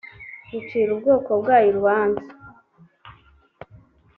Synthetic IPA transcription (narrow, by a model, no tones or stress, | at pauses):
ɡut͡ʃiːɾubɡoːkobɡaːjiɾwaːnzi̥